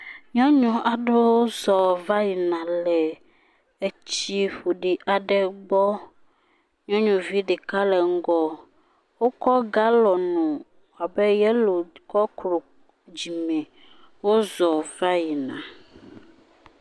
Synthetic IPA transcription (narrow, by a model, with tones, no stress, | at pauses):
ɲɔ̃˦ɲɔ̃˨ʔa˨ɖe˦wo˦zɔ˨va˦ji˨nã˨lɛ˨ | e˦t͡ɕi˦ɸo˨ɖi˨ʔa˨ɖɛ˦ɡ͡bɔ˦ | ɲɔ̃˦ɲũ˨vi˦ɖe˨ka˦lɛ˨ŋ̩˦ɡɔ˦ | wo˦kɔ˦ɡa˦lɔ˨nũ˨ | a˨bɛ˦jɛ˦lo˨kɔ˦kɾo˨ | d͡ʑi˨mɛ̃˨ | wo˦zɔ˨va˦ji˨nã̰˨